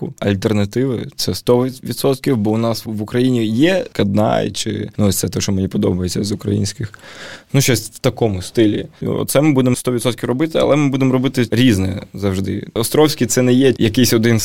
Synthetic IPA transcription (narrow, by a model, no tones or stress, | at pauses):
kʊɐ̰lʲt̪ernɐt̪ɪʋɪt̪sɛst̪ɔʋʲit̪sɔt̪kʲiwbɔʊnɑsʋʊkɾɐjinʲijɛkɐd̪̚nɑ̰j̰t͡ʃɪ̰nuɔsʲt̪sɛt̪ɔʃt͡ʃɔmenʲipɔd̪ɔ̰bɐjet͡sʲːɐzʊkɾɐ̰jḭnʲsʲkɪxnuʃt͡ʃɔsʲt̪ɐkɔmʊst̪ɪlʲḭɔ̰t̪t̪sɛmɪbud̪emst̪ɔʋʲit̪sɔt̪kʲiwrɔbɪt̪ɪɐ̰lˠɛmɪbud̪emɔɾɔbɪt̪ɪɾʲiznɛzɐwʒd̪ɪ̰ɔst̪ɾɔwsʲkʲit̪sɛnɛjɛjɐkɪjsʲɔd̪ɪn